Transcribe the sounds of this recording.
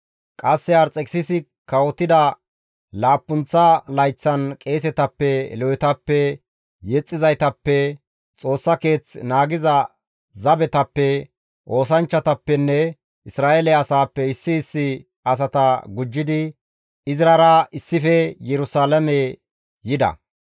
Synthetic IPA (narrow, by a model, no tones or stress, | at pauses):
kʼɐsːɛɐɾt͡sʼɛkʼsɪsɪ | kɐwɔt̪ːɪd̪ɐ | laːpːʊnt͡sːɐlɐjt͡sːɐnkʼe̞ːs̬ɛt̪ɐpːɛlɔwɛt̪ɐpːɛ | jɛt͡sʼːɪzɐjt̪ɐpːɛ | t͡sʼo̞ːsːɐke̞ːt͡snaːɡɪzɐ | zɐbɛt̪ɐpːɛ | ʔo̞ːs̬ɐnt͡ʃːɐt̪ɐpːɛnːɛ | ɪsɾaːʔelɛɐsaːpːɛɪsːɪːsːɪ | ɐs̬ɐt̪ɐɡʊd͡ʒːɪd̪ɪ | ɪzɾɐɾɐɪsːɪfɛjɛɾʊsaːlɐmɛ | jɪd̪ɐ̰